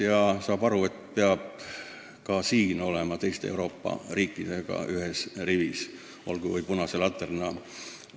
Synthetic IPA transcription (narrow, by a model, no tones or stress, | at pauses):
jɑsɑːb̥ɑɾue̞t̪peɑb̥̚ | kɑsiːno̞lemɑt̪e̞jst̪eḛuwɾo̞ːpːɑ̰riːkːˑid̪̥e̞ɡ̥ɑ̰ʔyɦesrivis | o̞̰lɡ̥uvujpunɑse̞lɑt̪ːˑernɑ